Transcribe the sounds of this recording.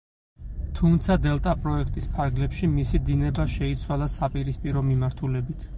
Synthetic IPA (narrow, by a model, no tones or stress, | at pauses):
t̪ʰumt̪sʰad̪ɛlˠt̪ʼapʼɾɔɛkʰt̪ʼispʰaɾɡlɛpʃimisid̪inɛbaʃɛit̪sʰwalˠasapʼiɾispʼiɾɔmimaɾt̪ʰulɛbit̪ʰ